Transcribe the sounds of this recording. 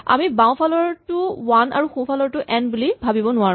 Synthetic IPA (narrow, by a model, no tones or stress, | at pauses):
a̰mibaw̃pʰalɔɹtʊwana̰ɹuxũpʰalɔɹtʊʔɛnbulibʱabibɔnʊaɹ